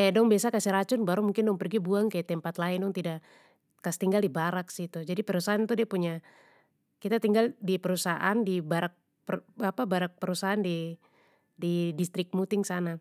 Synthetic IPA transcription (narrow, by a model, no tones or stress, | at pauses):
ɛdɔŋbiasakasiɾat͡ʃʊnbaɾumuŋkɪndɔŋpərɡibuaŋkajat̪ɛmpat̪laɪndɔŋt̪idaʔ | kast̪iŋɡaldibaɾaksit̪ud͡ʒadipəɾusaɦant̪udiapuɲa | kit̪at̪iŋɡaldipəɾusaʔandibaɾak̚ | pəapabaɾak̚pəɾusaɦandi | didist̪ɾɪk̚mut̪ɪŋsana